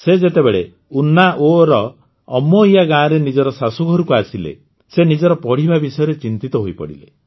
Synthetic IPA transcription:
sed͡ʒet̪ebeɭe | unaʔoɾɔː | mɔijaɡãːɾenid͡ʒɔɾɔsasuɡʱɔɾukuasilḛ | senid͡ʒɔɾɔpɔɽ̤ibabisɔjɔɾet͡ʃint̪it̪ɔɦojpɔ̰ɽḭlḛ

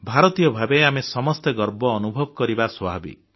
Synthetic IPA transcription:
bʱaɾɔt̪ijɔbʱabeamesɔmɔst̪eɡɔɾbɔːnubʱɔbɔkɔɾibaswɔabḭ

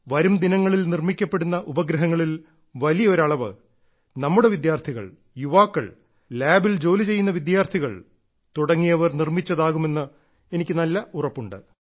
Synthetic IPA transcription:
ʋɐɾumd̪inɐŋːɐɭilnirmikʲːɐpːe̞ɽunːɐʔubɐɡɾɐɦɐŋːɐɭil | ʋɐlijɐo̞ɾɐɭɐʋɨ̰ | nɐmːuɽe̞ʋid̪jaːrt̪ʰiɣɐ̰ɭ | juʋaːkːɐ̰ɭ | laːbild͡ʑo̞ːlit͡ɕe̞jːunːɐʋid̪jaːrt̪ʰiɣɐ̰ɭ | t̪uɽɐŋːijɐʋɐrnirmit͡ɕːɐðaːɣume̞nːɨ | e̞nikʲːɨnɐlːɐʔurɐpːuɳɖɨ̰

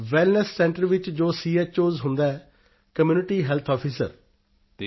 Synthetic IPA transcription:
ʋɛːlnəsːɛ̃ːɳʈəɾʋɪt͡ʃd͡ʒoːsiːɛːt͡ʃoːzɦʊ̃nd̪aːɛː | kəmjuːnɪʈiːɦɛlt̪ʰɔːpʰiːsə̰ɾ

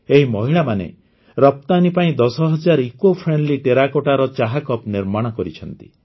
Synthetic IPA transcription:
eɦimɔɦiɭamanḛ | ɾɔp̚t̪anipaĩd̪ɔsɔɦɔd͡ʒaɾikopʰɾenliʈeɾakoʈaɾɔt͡ʃaɦakɔpniɾmaɽ̃ɔkɔɾit͡ʃʰɔnt̪i̥̰

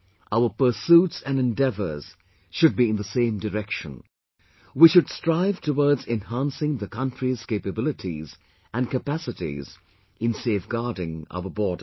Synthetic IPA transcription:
ʔaʊə˞pə˞sutsɨ̃nɨ̃ndɛvə̰˞z̥ | ʃʊd̚biɨ̃nðəsẽɪ̃mdəɹɛkʃə̃n | wiʃɨd̥stɹ̥aɪv̥tʰəwɔɹdzɛ̃nhæ̃nsɪ̃ŋðɨkʰʌ̃ntɹ̥iz̥keɪpɨbɪlˠɨɾʰḭz | ʔɨ̃nkɨpæsɨɾḭz | ɨ̃nseɪfɡ̥ɑɹdɪ̃ŋa̰ʊəbɔːd

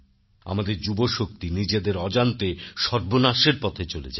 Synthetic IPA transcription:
a̰mad̪eɾd͡ʑuboʃok̚t̪inid͡ʑed̪eɾɔd͡ʑant̪eʃɔɾbonaʃeɾpɔt̪ʰet͡ɕolḛd͡ʑa̰

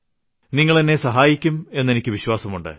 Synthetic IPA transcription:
niŋːɐɭenːe̞sɐɦaːjikʲːume̞nːe̞nikʲːɨʋiɕwaːsɐmuɳɖɨ̰

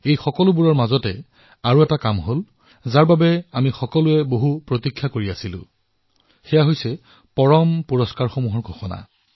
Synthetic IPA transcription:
ejxɔkɔlʊbuɹɔɹmazɔtɛ | aɹuɛtakamɦol | zaɹbabɛamixɔkɔlʊɛboɦupɹotikʰːjakoɹiasilʊ̰̃ | xɛjaɦojsɛ | pɔɹɔmpuɹɔskaɹxɔmuɦɔɹɡʱɔxɔna̰

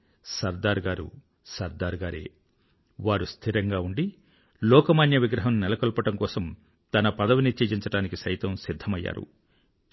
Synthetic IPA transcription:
sɐɾd̪aːɾɡaːɾṵ | sɐɾd̪aːɾɡaːɾḛː | ʋaːɾust̪ʰiɾɐŋɡaːuɳɖi | lɔːkɐmaːnjɐʋiɡɾɐɦɐmnɛlɐkɔlpɐʈɐmkɔːsɐm | t̪ɐnɐpɐd̪ɐʋinit͡ʃeːd͡ʒiɲt͡ʃɐʈaːnikisɐjt̪ɐmsid̪ʱːɐmɐjːa̰ːɾṵ

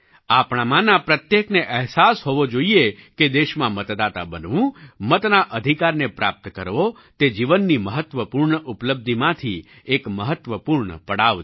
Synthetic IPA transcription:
apɽ̃amãnãpɾət̪jekneʔəɦsasɦoʋod͡ʒoieked̪eʃmãmət̪d̪at̪a̰bənʋũmət̪naʔəd̪ʱikaɾnepɾa̰p̚t̪kəɾʋo | t̪ed͡ʒiʋənːiməɦət̪ʋəpuɾɳəʔupləb̚d̪ʱimãt̪ʰi | ekməɦət̪ʋəpuɾɳəpəɽaʋ

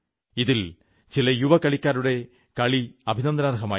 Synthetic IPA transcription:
iðil | t͡ɕilɐjuʋɐkɐɭikʲːaːɾuɽe̞ | kɐɭiɐbʱinɐnd̪naːɾɦɐmaː

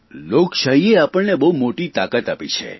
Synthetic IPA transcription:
lokʃaɦieapəɭnebəɦumoʈit̪akət̪apit͡ʃʰḛ

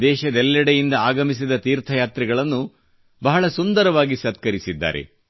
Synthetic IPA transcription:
d̪ɛːʃɐd̪ɛlːɐɽejind̪ɐaːɡɐmis̬id̪ɐt̪iːɾt̪ʰɐjaːt̪ɾiɡɐɭɐnːu | bɐɦɐɭɐsund̪ɐɾɐʋaːɡisɐt̪̚kɐɾisid̪ːa̰ːɾḛ

